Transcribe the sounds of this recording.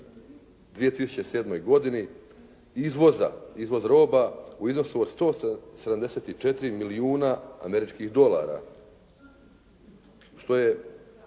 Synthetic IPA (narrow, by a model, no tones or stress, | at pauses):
d̪ʋije̞t̪isu̥t͡ɕese̞ːd̪mo̞jɡo̞d̪ini | izʋoza̰izʋo̞zɾo̞ːbauizno̞suod̪st̪o̞ːsed̪amd̪e̞se̞t̪it͡ʃet̪iɾimiliuːnaa̰me̞ɾit͡ʃkixd̪o̞la̰ɾa̰ | ʃt̪o̞je̞